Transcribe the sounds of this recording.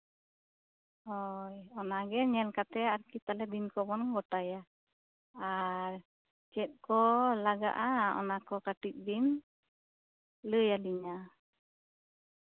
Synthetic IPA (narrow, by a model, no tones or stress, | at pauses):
hɔjɔnaɡɛɲɛlkat̪ɛaɾkit̪alɛd̪inkɔbɔnɡɔʈaja | aɾ | t͡ʃɛt̪̚ˀkɔlaɡa̰ʔaɔ̰nakɔkaʈik̚ˀbin | ləjaliɲa